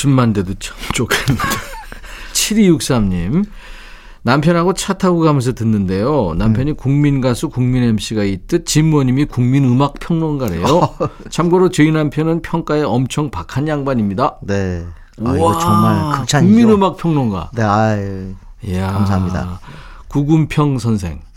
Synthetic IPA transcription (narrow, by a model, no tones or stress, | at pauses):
t͡ɕɯmːandedot͡ɕʰḁmt͡ɕ͈okʰenːɯndet͡ɕʰiɾijuk̚s͈amɲim | nampʰjʌnɦaɡot͡ɕʰatʰaɡoɡamens̬ʰʌtɯnːɯnde̞jonampʰjʌɲikuŋminɡasʰukuŋminemɕ͈iɡait̚t͈ɯt̚t͡ɕimːuʌɲimikuŋminɯmak̚pʰjʌŋnonɡaɾe̞̰jot͡ɕʰamɡoɾot͡ɕɯinampʰjʌnɯnpʰjʌŋk͈ae̞ʌmt͡ɕʰʌŋpakʰanjaŋbaɲimɲidane | aŋmaɭkɯt͡ɕʰauŋminɯmak̚pʰjʌŋnonɡa̰ne | jamaɲida̰ | kuɡumpʰjʌŋsʰʌnsʰe̞̰ŋ